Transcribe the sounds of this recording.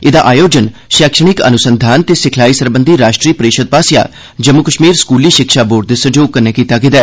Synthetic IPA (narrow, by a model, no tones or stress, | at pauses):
ɪd̪aːʔaːjoːd͡ʒənʃɛːkʃəɽ̃ɪkə̰nʊsənd̪ʱaːnt̪eːsɪkʰlaːiːsəɾbənd̪ʱiːɾaːʃʈɾiːpəɾeːʃəd̪̚paːsɪja̰ː | d͡ʒəmʊkəʃmiːɾskuːliːʃɪkʃaːboːʈd̪esəd͡ʒoːɡ̚kːənɛːkiːt̪aːkɪd̪aɛ